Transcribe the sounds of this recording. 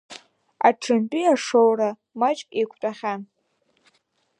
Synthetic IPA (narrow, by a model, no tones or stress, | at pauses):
aʈ͡ʂʰɨmpʼiaʂowra | mat͡ʃʼekʷʰtʼaχʲan